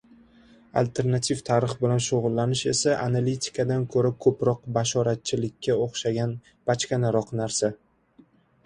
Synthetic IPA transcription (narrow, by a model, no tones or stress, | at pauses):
a̰lt̪ʰe̞ɾnat̪ʰivt̪ʰaɾɪχbɪlanʃoʁʊlˠːanɪʃe̞̰saʔanalit̪ʰɪ̥kʰad̪ankʰɵɾakʰɵpɾɒq̚baʃɒɾat̪̚t͡ʃʰɪlɪkʲʰːaoχʃaɡʲan | b̥at͡ʃkʲanaɾɒqnaɾsa